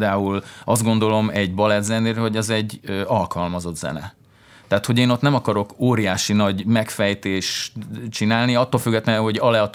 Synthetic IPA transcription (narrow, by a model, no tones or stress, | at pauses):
d̪aːulɒzd̪ɡo̞nd̪o̞lo̞mɛɟbɒlɛd̪zɛneːɾɦo̞ɟɛzɛɟːøɒlkɒlmɒzo̞d̪zɛ̰nɛ̰ | t̪ɛaːt̪ho̞ɟeːnot̪nɛmɒkɒɾo̞koːɾijaːʃinɒɟmɛkfɛjt̪eːʃt͡ʃinaːlniɒt̪ːolfyɡːɛt̪lɛnɦo̞ɟɒlɛɒt̪